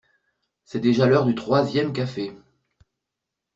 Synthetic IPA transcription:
sɛd̪eʒalœʁd̪yt̪χwazjɛmkafe

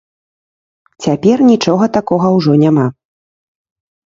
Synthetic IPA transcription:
t͡sʲapʲɛrnʲit͡ʂɔɣɐt̪akɔɣɐwʐɔnʲama

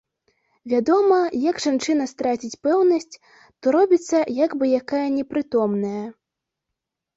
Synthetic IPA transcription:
vʲad̪ɔmɐjɐɡʐant͡ʂɨn̪ɐst̪ɾat͡sʲit͡sʲpɛwnɐsʲt͡sʲ | t̪ɔɾɔbʲit̪sːɐjaɡbɨjakajɐnʲɛpɾɨt̪ɔmnɐjɐ

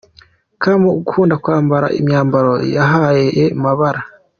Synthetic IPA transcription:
kamouɡuhuːndakwaːmbaɾa̰ʔḭmɲaːmbaɾo̞jaɦajeemaβaɾa

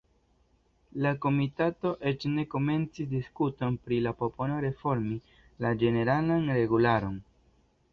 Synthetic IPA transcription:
lako̞mitato̞ʔe̞t͡ʃne̞ko̞me̞nt͡sisdiskuto̞npɾilapo̞po̞no̞ɾe̞fo̞ɾmi | lad͡ʒe̞ne̞ɾalanɾe̞ɡulaɾo̞n

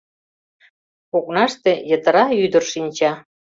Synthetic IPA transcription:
koknɑʃt̪ejət̪ə̆ɾɑyd̪ərʃinʲt͡ɕɑ

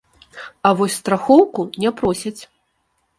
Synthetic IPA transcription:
avɔsʲst̪ɾaxɔwkunʲɛpɾɔsʲɐt͡sʲ

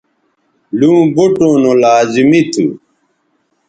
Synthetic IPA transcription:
lũːbuʈoːnolaːzimit̪ʰṵ

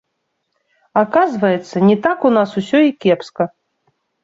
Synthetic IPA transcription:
akazvɐjɛt̪sːɐnʲɛt̪akunasusʲɔikʲɛpskɐ

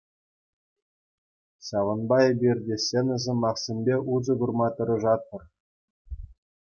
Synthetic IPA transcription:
ɕɑʋɤ̆nbɑebʲerʲdʲesʲenʲɘ̆zʲɘ̆mɑχsʲĕnʲbʲeuzɤ̆ɡurmɑt̪ɤ̆ɾɤ̆ʐɑt̪̚ːɤ̆r

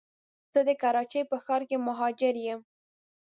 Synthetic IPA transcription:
t͡səd̪əkaɾɑt͡ʃejpəxɑɾkemʊɦɑd͡ʒɪɾjem

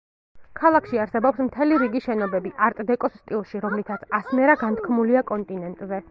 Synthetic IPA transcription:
kʰalˠakʰʃiaɾsɛbɔpsmt̪ʰɛliɾiɡiʃɛnɔbɛbiʔaɾt̪ʼd̪ɛkʼɔsːt̪ʼilˠʃiɾɔmlit̪ʰat̪sʰasnɛɾaɡant̪ʰkʰmuliakʼɔnt̪ʼinɛnt̪ʼzɛ

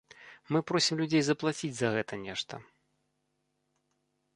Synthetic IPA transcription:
mɨpɾɔsʲimlʲud͡zʲejzɐplˠat͡sʲid͡zʲzɐɣɛt̪ɐnʲɛʂt̪ɐ̰

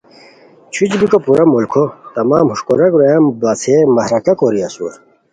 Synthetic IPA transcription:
t͡ɕʰut͡ɕbikopuɾɐmulkʰot̪ɐmaːmhuʂkoɾɐkɾojambɐt͡sʰemɐhɾɐkɐkoɾiɐsu

